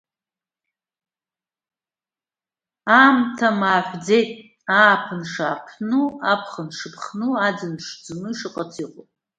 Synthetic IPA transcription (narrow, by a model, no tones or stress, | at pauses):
amtʰamaːħʷd͡ze̞jtʼ | aːpʰɨnʂaːpʰnuapʰχənʂɨpʰχnuad͡zɨnʂd͡zɨnɨʂɨqʼat͡sʰiqʷʼo